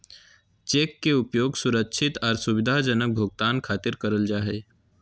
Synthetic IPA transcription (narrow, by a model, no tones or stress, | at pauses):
t͡ʃeːkːeʊpjoːɡsʊɾəkʃʰɪt̪ɔːɾsʊʋɪd̪ʱad͡ʒənək̚bʱoːɡ̚t̪aːnkʰaːt̪ɪɾkəɾəld͡ʒaːɦe